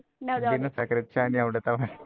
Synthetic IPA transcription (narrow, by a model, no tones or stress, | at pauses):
pinːesɐkɐɾt͡ɕːaːniɐʋiɽet̪ɐʋɐ